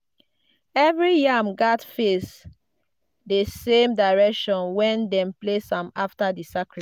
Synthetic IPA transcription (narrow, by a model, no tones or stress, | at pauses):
ɛvɹijamɡatfes | desẽmdaɪɹɛkʃɔ̃nwɛ̃ndɛ̃mplesɔ̃maftadisakɹ